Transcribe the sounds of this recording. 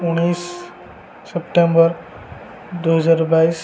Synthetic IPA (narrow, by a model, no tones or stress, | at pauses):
unisː | epʈẽmbəɾ | d̪oɦəzaɾbais